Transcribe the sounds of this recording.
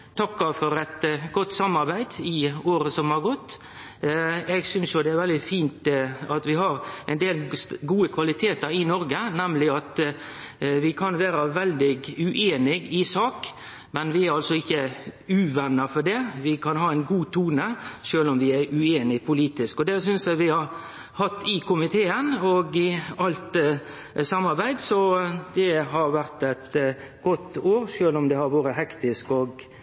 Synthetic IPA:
t̪ʰɑkːɑfɔɾɛt̪ɡɔt̪ːsɑmːɑɾbæɪd̪ɪoːɾəsɔmhɑɾɡɔt̪ː | ɛɡsʏnsjʊd̪ɛæɾʋɛld̪ɪfiːnt̪ɑt̪ʋɪɦɑɾɛɪnd̪eːlɡuːəkʰʋɑlɪt̪ʰeːt̪əɾɪnɔɾɡənɛmlɪɑt̪ | ʋɪkʰɑnʋæːɾɑʋɛld̪ɪɡʉʔeːnɪɡɪsɑːk | mɛnʋɪæɾɑlsɔɪçːəʉːʋɛnːɑfɔɖɛːʋɪkʰɑnɦɑːæɪnɡuːt̪ʰuːnəʃøːlɔmʋɪæɾʉeːnɪpʰʊliːt̪ɪskɔd̪ɛsʏnsjæʋɪhɑɾ | hɑt̪ːɪkʰʊmɪt̪ʰeːənɔɡɪɑlt̪ | sɑmːɑɾbæɪd̪sɔd̪ɛɦɑɾʋæɾt̪æt̪ | ɡɔt̪ːoːɾʃøːlɔmd̪ɛhɑɾʋoːɾəɦɛkt̪ɪskɔɡ

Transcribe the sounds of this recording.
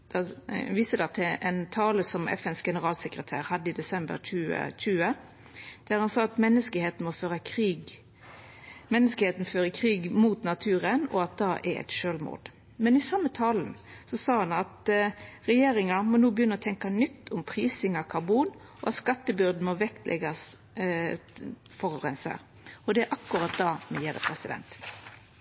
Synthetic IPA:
d̪̥ɑʋiːsəd̪ɑt̪ʰʔɛnt̪ʰɑːləsɔmɛ̰fɛnsɡɛnəʁɑːlsəkʁət̪ʰæ̰ːɾhɑd̪ːəɪd̪ɛsɛmbə̰ɾt͡ʃʉːə̰t͡ʃʉːə | d̪̥æɾhɑnsɑːɑt̪mɛnːəskəheːt̪n̩mɔføːʁəkʰɾiːɡ | mɛnːəskəheːt̪n̩føːɾəkʰʁiːɡmuːt̪nɑt̪ʰʉːʁənɔ̰ɑt̪̚d̪ɑːʔɛ̰ɾɛ̰t̪ʃøːlmṵːd̪ | mɛnɪsɑmːət̪ʰɑːln̩sɔsɑːhɑnɑt̪ʁɛjeːɾɪŋɑmɔnuːbəjʏnːəɔt̪ʰɛŋkɑnʏt̪ʰːʊmpʰʁiːsɪŋɑkʰɑʁbuːn | ʔɔɑt̪skɑt̪ːəbʏɾd̪n̩mɔʋɛkt̪ʰlʔɛ̰ɡɑs | fɔʁʁɛnsæ̰ːʁ | ɔd̪ɛæʔɑkːʊɾɑt̪̚d̪ɑːmɛjeːɾə̰pʰɾɛsɪd̪ɛ̰nt̪

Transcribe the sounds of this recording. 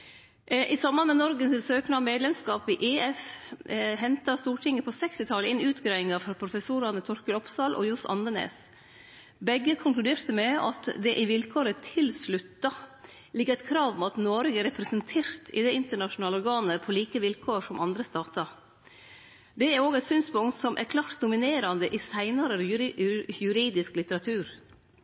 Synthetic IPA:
ʔɪsɑmbɑnmɛnɔɾɡənsɪsøːknɑmeːd̪lɛmskɑːpɪʔeːɛf | ɦɛnt̪ɑst̪uːʈʰɪŋːəpʰɔsɛkst̪ɪt̪ʰɑləɪnʉːt̪ɡɾɑːɪŋɑfɾɑpʰɾʊfəsuːɾɑnət̪ʰɔɾkəlɔpsɑːlʔɔ̰jʊsʔɑ̰nd̪ənḛːs | bɛɡːəkʰʊŋklʉd̪eːɾt̪əmɛɑ̰t̪d̪ɛʔɪʋɪlkʰoːɾət̪ʰɪlslʉt̪ːɑ | lɪɡəɾɛt̪kʰɾɑːʋmɑt̪noːɾɡəɾɛpɾəsənt̪ʰeːɾt̪ʰɪ̰d̪ɛɪnt̪əɳɑʃʊnɑːləɔɾɡɑːnəpʰɔliːkəʋɪlkʰoːʂɔmʔɑnd̪ɾəst̪ɑːt̪ɑɾ | d̪ɛæɾoːɡɛɪt̪syːnspʊŋt̪sɔmʔæ̰ɾkʰlɑːʈt̪̚d̪ʊmɪneːɾɑnd̪əʔɪsæɪnɑɾə | jʉɾiːd̪ɪsklɪt̪əɾɑt̪ʰʉːɾ

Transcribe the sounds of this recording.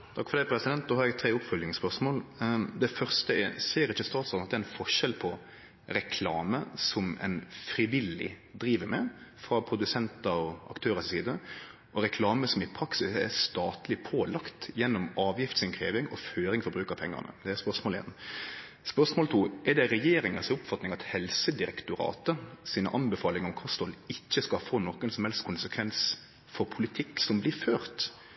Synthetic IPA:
t̪ʰɑkːfɔɾd̪ɛɪpʰɾɛsɪd̪ɛnt̪̚noːhɑɾjɛɡt̪ʰɾeːʊpfœljɪŋspœʁʂmoːld̪ɛfœʁst̪əɛ̰seːɾɪçːəst̪ɑːt̪slɑːnɑt̪ɛnfɔʂɛlpʰɔ | ɾɛkʰlɑːməsɔmɛ̰ɪnfɾɪʋɪlɪ̰ | d̪ɾiːʋəɾmɛfɾɑpʰɾʊd̪ʉsɛnt̪ɑɾɔʔɑ̰kt̪ʰøːɾəssiːd̪ə | ʔɔɾɛkʰlɑːməsɔmɪpʰɾɑksɪsɛ̰st̪ɑːt̪lɪpʰoːlɑkt̪jɛnːɔmɑːʋjɪft̪sɪnkʰɾeːʋɪŋɔføːɾɪŋfɔɾbɾʉːkəpʰɛŋːɑ̰ʁnə̰d̪ɛɛspœʁʂmoːlḛːn | spœʁsmoːlt̪ʰuːʔɛd̪ɛɾɛjeːɾɪŋənsʊpfɑt̪nɪŋɑt̪hɛlsəd̪ɪɾɛkt̪ʊɾɑ̰ːt̪əsiːnə̰ʔɑnbɛfɑːlɪŋɔmkʰɔst̪ɔlɪçːəskɑfoːnɔkːənsɔmhɛlst̪̚kʰʊnsəkʰʋɛns | fɔɾpʰʊlɪt̪ʰɪkːsɔmblɪføːɾt̪

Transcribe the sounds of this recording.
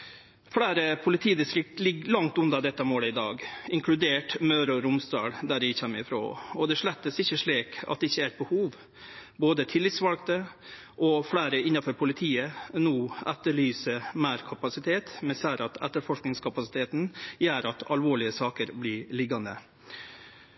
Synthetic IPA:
fɽæːɾəpʰʊlɪt̪ʰiːd̪ɪst̪ɾɪk̚t̪lɪɡlɑŋt̪ʉnd̪ɑd̪ɛt̪ːəmoːləɪd̪ɑːɡɪŋkʰlʉd̪eːʈmœʉɾɔɾʊmsd̪ɑ̰ːɽd̪æɖɪçɛmːəɾɪfɾo̰ːɔd̪ɛʂɭɛt̪ːəsɪçːəʂɭiːkɑ̰t̪̚d̪ɛɪçːəæbəhuːʋ | boːd̪ət̪ʰɪlːɪt̪sʋɑlk̚t̪ə | ʔɔflæːɾəɪnːɑfɔɾpʰʊlɪt̪ʰiːənuːʔɛt̪ːəɭyːsəmæːɾkʰɑpɑsɪt̪ʰeːt̪mɛnsæɾɑt̪ɛt̪ːəɾfɔʂknɪŋskʰɑpɑsɪt̪ʰeːt̪njæːɾɑt̪ɑlʋoːɭɪəsɑːkəɾblɪɭɪɡːɑnd̪ə̰

